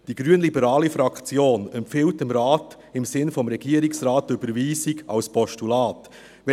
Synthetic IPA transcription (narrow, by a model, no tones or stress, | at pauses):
d̥iɡ̥ɾyənlibəɾaːlifɾɑkt͡sjoːnɛmpfɪltɪmɾɑːt | ɪmsɪnfɔmɾɛɡiəɾiksraːtʏbəɾviːsiɡɑ̰lspɔʃtulaːt